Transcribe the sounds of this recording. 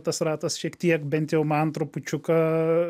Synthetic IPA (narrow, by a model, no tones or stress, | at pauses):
t̪ɐsrɑːt̪ɐsʃʲiɛkt̪ʲiɛkbʲɛnt̪jɛʊmɐnt̪ɾʊpʊt͡ʃʲʊkɐ